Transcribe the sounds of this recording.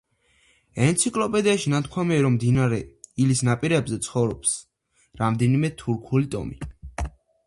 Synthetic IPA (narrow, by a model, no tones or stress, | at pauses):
ɛnt̪sʰikʼlˠɔpʼɛd̪iaʃinat̪̚ʰkʰwamiaɾɔmːd̪inaɾɛilisnapʼiɾɛbzɛt̪sʰχɔvɾɔps | ɾamd̪ɛnimɛt̪ʰuɾkʰulit̪ʼɔ̰mi